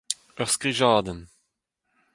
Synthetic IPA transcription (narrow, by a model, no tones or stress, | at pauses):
œʁskʁiʒɑːd̪ən